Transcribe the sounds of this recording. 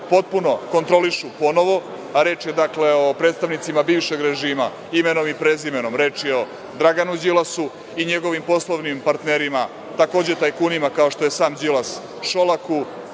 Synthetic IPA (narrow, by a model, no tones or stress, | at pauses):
po̞t̪̚puno̞ko̞nt̪ɾo̞liʃupo̞no̞ʋo̞ | aɾe̞ːt͡ʃjed̪akle̞opɾe̞ːt̪st̪aʋnit̪simabiːvʃe̞ɡɾe̞ʒiːma | imeno̞mipɾezimeno̞mɾe̞ːt͡ʂio̞ | d̪ɾaɡanud͡ʑilasu | iɲeɡo̞ʋimpo̞slˠoʋnimpaɾt̪neɾima | t̪ako̞ːd͡ʑe̞t̪ajkunimakao̞ʃt̪o̞jesaːmd͡ʑilas | ʃo̞laku